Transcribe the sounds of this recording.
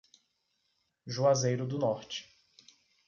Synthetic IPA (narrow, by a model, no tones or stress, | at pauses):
ʒuazejɾʊd̪ʊnɔɾt͡ʃɪ̥